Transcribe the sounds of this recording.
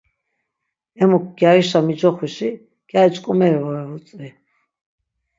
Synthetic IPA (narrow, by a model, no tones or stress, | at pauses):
ɛmɔk̚ʰɡ̥jaiʃamid͡ʒɔχiʃi | ɡ̥jait͡ʃʼkʼɔmɛɾɛvɔɾɛvut͡sʼi